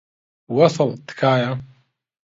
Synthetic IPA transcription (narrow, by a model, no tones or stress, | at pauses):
wɑsˤɑlt̪ːkaːja